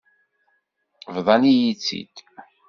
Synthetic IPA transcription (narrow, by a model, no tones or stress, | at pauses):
vðˤɑnijit͡sːḭd̪̥